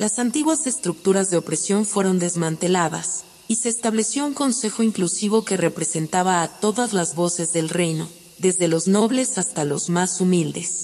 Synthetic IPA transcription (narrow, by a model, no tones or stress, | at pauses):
lasant̪iɣwase̞st̪ɾuk̚t̪uɾazðe̞opɾe̞sjo̞ɱfwe̞ɾo̞nd̪e̞zmãnt̪e̞laða̰s | ise̞ːst̪aβle̞sjo̞uŋko̞nse̞xo̞iŋklusiβ̞o̞ke̞re̞pɾe̞se̞nt̪aβaːt̪o̞ðazlazβo̞se̞zðe̞lre̞jno̞ | ðe̞zðe̞lo̞zno̞βle̞sast̪alo̞zmasumild̪e̞s